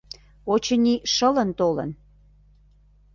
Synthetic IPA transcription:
ot͡ɕə̆niʃələnt̪olə̰n

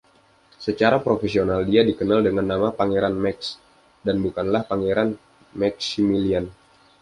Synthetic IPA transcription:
sət͡ʃaɾapɾofesionaldiadikənaldəŋanːamapaŋeɾanmɛks | danbukanlahpaŋeɾan | mɛksimilian

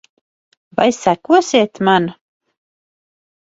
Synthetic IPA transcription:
vajsækuɔsiɛt̪man

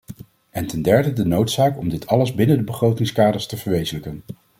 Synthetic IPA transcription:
ʔɛntɛndɛɹdədənowtsaːkɔmdɪtʰɑləzbɪnəndəbəχrowtɪŋskaːdəɹstəvəɹʋejzələkən

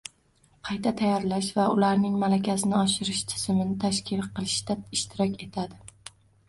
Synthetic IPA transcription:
qʰɑjt̪ʰat̪ʰajːɒɾlaʃvaʊlaɾnɪŋmalakʲʰasɪnɪɒʃɪɾɪʃt̪ʰɪ̥zɪmɪnɪt̪ʰaʃkʲʰɪlqʰɨlˠɪʃd̪aɪʃt̪ʰɪɾɒkʲe̞t̪ʰad̪ɪ

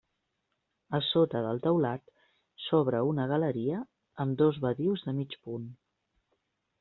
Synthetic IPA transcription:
əsot̪əðəlˠt̪əwlat̪ | sɔβ̞ɾəunəɣ̞ələɾiə | əmd̪ozβəðiwzðəmit͡ʃpun

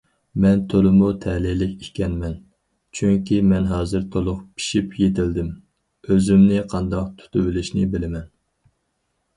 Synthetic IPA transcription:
mɛnt̪ʰolˠɪmut̪ʰɛlɪlɪkʲikʲɛnmɛn | t͡ʃʰyŋkʲimɛnɦɑːzɨɾt̪ʰolˠʊχpʰi̥ʃipjet̪ʰɪld̪ɪm | øzymnɪqʰɑnd̪ɑq̚t̪ʰu̥t̪ʰɨbɪlɪʃnɪbɪlɪmɛn

